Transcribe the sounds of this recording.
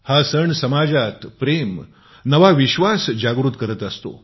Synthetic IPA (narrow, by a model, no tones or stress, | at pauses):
hasəɳsəmad͡ʑat̪pɾem | nəʋaʋiɕʋasd͡ʑaɡɾuːt̪kəɾət̪əst̪o̰